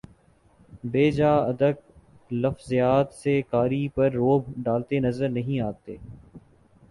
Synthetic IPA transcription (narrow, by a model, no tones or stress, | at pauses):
beːd͡ʒaːɐd̪ək̚ | lɐfzijaːt̪sekaːɾipɐɾːoːbʱɖaːlt̪enɐzəɾnɐɦĩaːt̪eː